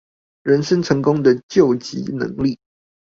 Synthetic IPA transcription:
ɻə˧˥nʂə˥nʈ͡ʂʰɤ˧˥ŋkʊ˥ŋd̪ə˨t͡ɕjo˥˨˩ʊt͡ɕḭ˧˥nɤ̰˧˥˦ŋli˥˩

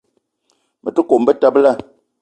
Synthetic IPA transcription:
mə˨tu˦ko˨m̩˦bə˦ta˦bla˦˨

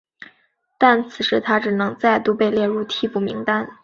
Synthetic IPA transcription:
t̪a˥˩nt͡sʰɹ̩˨˩ʂɻ̩˧˥t̪ʰa˥ʈ͡ʂɻ̩˨˩nɤ˧˥ŋt͡sa˥˩ɪt̪u˥pe˥˧ɪljɛ˥˧ɻu˥˧t̪ʰi˥˧pu˥˩mi˧˥ŋt̪a˥n

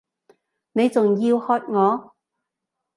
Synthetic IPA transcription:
ne˨˧jt͡sʊ˨ŋjiː˧whɔː˧t̚ŋɔː˨˧

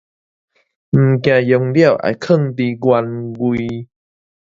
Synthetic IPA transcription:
m̩˨˩k̬j̃ã˨jɔ˧ŋlja˥˧˨ʔa̰˧˨jkʰə˥˧˨ŋt̪i˧ɡwa˧nɡwi˧

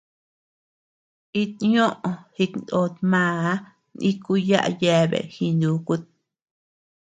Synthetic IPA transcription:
i˦t̪̚ɲõ˦ʔõ˧hi˧kn˨o˧t̪mãː˦˧˨ | nĩ˦ku˧˦ja˦ʔa̰˧je˧βḛ˨hi˧nd̪u˧˦ku˦t̪̚

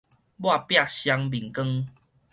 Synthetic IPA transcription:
bwa˥˧˨pja˥˨ɕja˧ŋbi˨˩ŋkə˦ŋ

